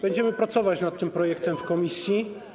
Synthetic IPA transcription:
b̥ɛɲd͡ʑɛmɘpɾat̪sɔvat͡ɕnat̪ːɘmpɾɔjɛk̚t̪ɛmfkɔmʲisʲji

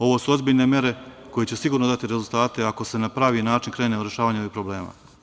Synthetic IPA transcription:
o̞ʋo̞suo̞zbiʎne̞mje̞ɾe̞ | ko̞jet͡ɕesiɡuːɾnod̪at̪iɾezulˠt̪aːt̪e̞ako̞se̞napɾaːʋinaːt͡ʃinkɾe̞ːneoɾjeʃaːʋaːɲeoʋipɾoble̞ːma̰ː

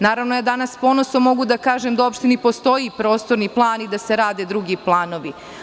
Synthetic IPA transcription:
naːɾaʋnojad̪anaspo̞nosomo̞ɡud̪akaːʒemd̪aopʃt̪inipo̞st̪o̞jipɾo̞ːst̪oɾniplˠaːnid̪aseɾaːd̪ed̪ɾuɡiplˠaːno̞ʋi

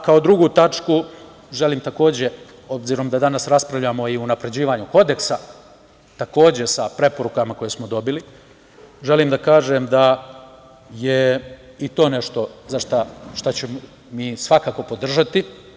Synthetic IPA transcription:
kao̞d̪ɾuɡut̪at͡ʃku | ʒe̞limt̪ako̞ːd͡ʑe̞ | o̞bziɾo̞md̪ad̪anasɾaspɾavʎamo̞iunapɾe̞d͡ʑiːʋaɲuko̞d̪e̞ksa | t̪ako̞ːd͡ʑe̞sapɾe̞po̞ɾukamako̞jesmo̞d̪o̞bili | ʒe̞limd̪akaːʒemd̪a | jeit̪o̞ːne̞ʃt̪o̞zaʃt̪aʃt̪at͡ɕemo | miːsʋakaːko̞po̞d̪r̩ʒat̪i

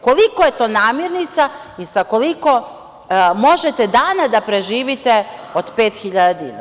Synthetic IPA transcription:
kolikojet̪o̞ːnaːmiɾnit̪sa | isakoliko̞ | mo̞ʒet̪ed̪aːnad̪apɾe̞ʒiːʋit̪eod̪pe̞ːt̪xiʎad̪ad̪ḭna̰

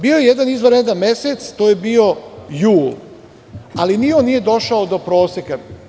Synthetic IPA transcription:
biːojejed̪anizʋoɾjed̪anmeset̪st̪oːje̞bio̞juːl | alinionːije̞d̪o̞ʃaod̪o̞pɾo̞ːseka

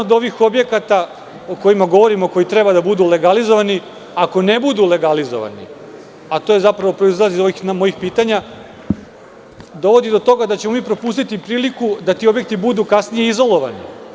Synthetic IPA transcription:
od̪o̞ʋixo̞bje̞kat̪a | oko̞imaɡo̞ʋo̞ɾimoko̞jit̪ɾebad̪abud̪ule̞ɡalizo̞ʋani | ako̞ne̞bud̪ule̞ɡalizo̞̰ʋa̰nḭ | at̪oje̞zapɾaʋo̞pɾo̞izlˠazizo̞ʋixnmo̞jixpiːt̪aɲa | d̪o̞ʋo̞d̪id̪o̞t̪o̞ɡad̪at͡ɕe̞momiːpɾo̞pust̪it̪ipɾiːlikud̪at̪iːo̞bje̞k̚t̪ibud̪ukasnijeizo̞lˠo̞ʋanḭ

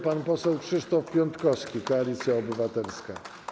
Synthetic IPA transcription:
panpɔsɛwkʂɘʂt̪ɔfpʲjɔnt̪kɔskʲikɔalʲit̪sʲjaɔbɘvat̪ɛlska̰

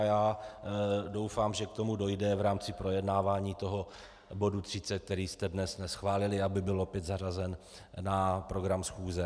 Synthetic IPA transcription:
jaː | do̞wfaːmʒɛk̚t̪o̞mudo̞jdɛvɾaːmt͡sɪpɾo̞jɛdnaːvaːɲiːt̪o̞ɦo̞ | bo̞dut̪r̝̥ɪt͡sɛk̚t̪ɛɾiːst̪ɛdnɛsnɛsxvaːlɪlɪabɪbɪlo̞pjɛt̪zarazɛn | napɾo̞ɡɾamsxuːzɛ

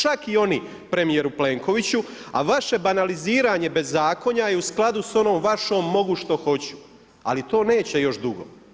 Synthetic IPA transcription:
t͡ʃakio̞ni | pɾe̞mije̞ɾuple̞ːŋko̞ʋit͡ɕu | a̰ʋaʃe̞banaliziːɾaːɲe̞be̞zːaːko̞ɲajeusklˠad̪uso̞no̞ːmʋaʃoːmːo̞ɡuʃt̪o̞xo̞t͡ɕu̥ | a̰lit̪o̞ːne̞ːt͡ɕe̞jo̞ʃd̪uɡo̰

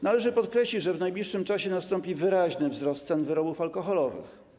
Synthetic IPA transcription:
nalɛʐɘpɔt̪kɾɛɕlʲid͡ʑʐɛvnajblʲiʂːɘmt͡ʂaɕɛnast̪ɔmpʲivɘɾaʑnɘvzɾɔst̪sɛnvɘɾɔbufalkɔxɔlɔvɘ̰x

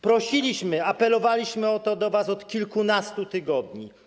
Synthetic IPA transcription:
pɾɔɕilʲiɕmɘapɛlɔvalʲiɕmɘɔt̪ɔd̪ɔvasɔt̪kʲilkunast̪ut̪ɘɡɔd̪ɲi

